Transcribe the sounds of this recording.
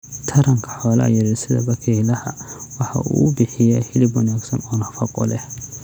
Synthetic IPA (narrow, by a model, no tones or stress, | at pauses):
t̪ʰɐɾɐŋkʰɐ̥ħɔːlɐ̰jɐɾɛsɪðɐ̰bɐkʰɛlɐhɐwɑħɑ̰ṵːbɪħɪjɛhɪlɪbwɔnaɡsɐnɔːnɐfɐqʼɔ̰lɛ